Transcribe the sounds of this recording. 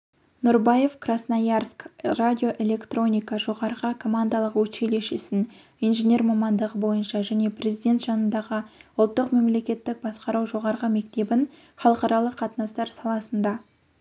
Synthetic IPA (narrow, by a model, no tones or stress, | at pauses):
nʊɾbaje̞fkrasnajarskradʲio̞ʔe̞le̞kt̪ro̞nʲijkɑʒo̞ʁɑɾʁəkʰo̞mand̪ɑlˠəqwɵt͡ʃe̞le̞ʃɪsɪn | ijnʒenʲe̞rmɑmɑnd̪əʁəbo̞jənʃɑʒæne̞prʲe̞zid̪ʲe̞nt̪ʒ̥ɑnənd̪ɑʁəʊlˠt̪ːəqme̞mle̞kʲe̞t̪ːɪk̚bɑsqɑɾɑwʒo̞ʁɑɾʁəme̞k̚t̪e̞bɪn | χɑlˠəqɑɾɑlˠəqʰːɑt̪ənɑst̪ɑɾsɑlˠɑsənd̪ɑ